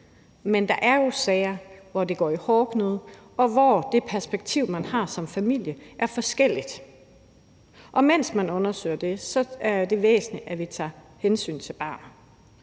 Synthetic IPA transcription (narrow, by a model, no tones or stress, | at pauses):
mend̥ɑ̈ʔæɐjo̝sɛːɪɐʋɒde̝ɡ̥ɒ̰ːihɒːɡ̥ʰnoðˠ | ɒ̽ʋɒd̥e̝pʰæɐsb̥eɡ̥̚t͡sʰiʊ̰mænhɑ̈ːsɒ̽mfæmil̰jəʔæɐfɒ̽sɡ̥el̰id̥ | ʔɒ̽men̰smænɔ̽nɐsø̰ɪɐd̥e̝sɒ̽æɐd̥e̝ʋḛːsn̩liʔæʋit͡sʰɑ̈ː | hensy̰ːnt͡sʰe̝lb̥ɑ̰̈ːn